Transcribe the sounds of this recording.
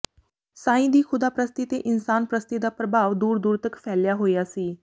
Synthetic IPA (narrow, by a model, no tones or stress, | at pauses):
sãːĩd̪iːkʰʊd̪aːpɾəst̪it̪eʔɪnsaːnpɾəst̪id̪apɾəbʱaːʋd̪uːɾd̪uːɾt̪əkfɛljaɦoiasiː